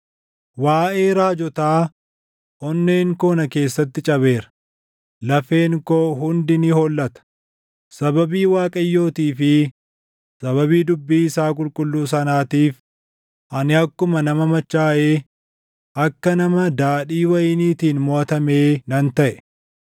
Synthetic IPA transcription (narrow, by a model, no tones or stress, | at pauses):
waːʔe̞ːɾaːd͡ʒɔt̪aː | ʔɔnːe̞ːŋkoːnɐke̞ːsːɐt̪ːɪt͡ʃʼɐβe̞ːɾɐ̥ | lɐfe̞ːŋkoːɦʊnd̪ɪnɪhɔlːɐt̪ɐ̥ | sɐbɐbiːwaːkʼɐjːo̞ːt̪iːfɪ | sɐβɐbiːd̪ʊbːiːɪsaːk̬ʼʊlkʼʊlːuːs̬ɐnaːt̪iːf | ʔɐnɪɐkːʊmɐnɐmɐmɐt͡ʃːaːʔeː | ʔɐkːɐnɐmɐd̪aːᶑiːwɐjniːt̪iːnmɔʔɐt̪ɐme̞ːnɐnt̪ɐʔɛ̥